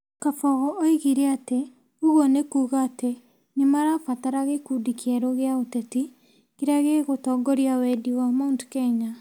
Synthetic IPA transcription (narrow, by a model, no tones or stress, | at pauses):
kafɔɣɔʔɔiɣiɾeate | uɣonekuːɣaːte | nemaɾafataɾaɣekudikʰiɛɾoɣeaotɛti | kiɾaɣeɣotɔɡɔɾiawɛdiwamoːntu̥kɛːɲa